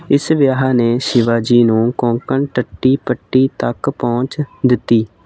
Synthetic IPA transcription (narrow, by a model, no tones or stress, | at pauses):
ɪsʋjaːɦaːneːʃɪʋaːd͡ʒiːnũːkɔ̃ːŋkəɳʈəʈːiːpəʈːiːt̪əkpɔ̃ːt͡ʃd̪ɪt̪ːiː